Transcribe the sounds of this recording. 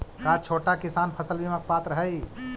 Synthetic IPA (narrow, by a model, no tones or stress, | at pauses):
kat͡ʃʰoʈakisanpʰəsəlbimək̚pat̪ɾəɦəj